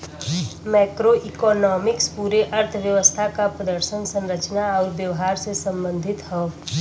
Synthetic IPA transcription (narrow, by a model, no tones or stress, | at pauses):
mɛːkɾoʔikɔːnɔːmɪkspuːɾeʔɐɾt̪ʰʋjəʋəst̪ʰakapɾəd̪əɾʃənsə̃nɾət͡ʃnaɔːɾʋjəʋɦaːɾsesə̃mbə̃nd̪ʱɪt̪ɦɛː